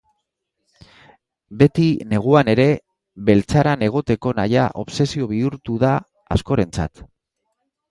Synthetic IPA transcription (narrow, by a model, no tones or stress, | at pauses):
be̞t̪ine̞ɣ̞uane̞ɾe̞ | βe̞lt͡saɾane̞ɣ̞o̞t̪e̞ko̞najaʔo̞βse̞sio̞βiuɾt̪uða | a̰sko̞ɾe̞nt͡sa̰t̪